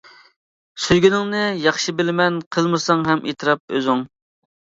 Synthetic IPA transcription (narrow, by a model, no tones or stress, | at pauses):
syjɡʲynɪŋnɨjɑχʃɨbɪlɪmɛnqʰəlˠmɨsɑŋɦɛmʔḛt̪ʰɨɾɑp̚ø̰zyŋ